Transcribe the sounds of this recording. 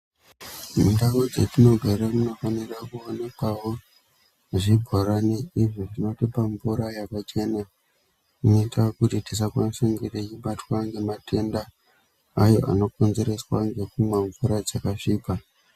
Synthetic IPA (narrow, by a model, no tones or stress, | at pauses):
mudawod͡zetino̞ɡʱaramuno̞fanirakuone̞kwawo̞ | ʐibʱoɾaneiʐiʐino̞tepaɱvuɾajakat͡ʃe̞ːna | unoitakutitisakwansiŋɡirejiɓatwaŋɡe̞matʰe̞ndaː | jo̞ʔa̰no̞konzeɾeswaŋɡe̞kumwaɱvuɾad͡zakaʂiːka